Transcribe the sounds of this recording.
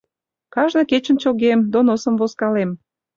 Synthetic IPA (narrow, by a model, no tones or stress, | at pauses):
kɑʒnɤ̆ket͡ɕə̆nt͡ɕoɣemd̪onosə̆mvoskɑlem